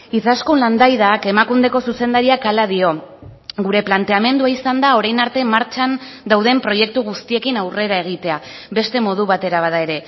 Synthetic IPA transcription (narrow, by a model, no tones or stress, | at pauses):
it͡saskunland̪ajðake̞makund̪e̞ko̞suse̞nd̪aɾiakalaðio̞ɡuɾe̞plant̪e̞ame̞nd̪uaisand̪ao̞ɾajnaɾt̪e̞maɾt͡ʃan | d̪awðe̞mpɾo̞je̞k̚t̪uɣ̞ust̪ie̞kinawre̞ɾae̞ɣ̞it̪e̞aβe̞st̪e̞mo̞ð̞uβat̪e̞ɾaβ̞aðae̞ɾe̞